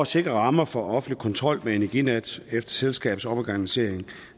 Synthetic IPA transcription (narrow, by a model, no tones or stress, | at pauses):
se̝ɡ̥ʁɐʁɑ̈mɐfɒ̽ɒ̽fn̩li̥kʰɒ̽nt͡sʰʁɒ̽l̰mee̝næɐɡ̥ined̥efd̥ɐ̥selsɡ̥ɛ̰ːb̥̩sɒ̽b̥ɒɡ̥ænise̝ɐ̰eŋ